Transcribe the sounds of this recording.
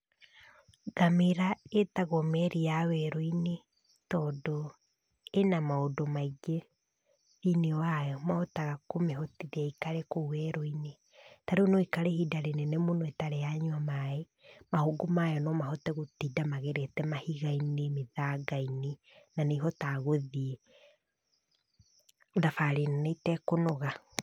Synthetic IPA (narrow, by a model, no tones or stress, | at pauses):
ɡ̥ameɾaetaɣɔmɛɾiawɛɾoine | tɔdɔ | enamaodomaiɡe | ðinewajɔmaɔtaɣakomeɦɔtiðiaikaɾekouwɛɾoine | taɾeunoikaɾehidaɾenɛnemonoɛtaɾejaɲwamae | mahoɡomajɔnɔmahɔtɛɣotidamaɣeɾetɛmahiɣainemeðaɡaine | naneɦɔtaɣoðie | ðafaɾinaneitɛkonɔɣa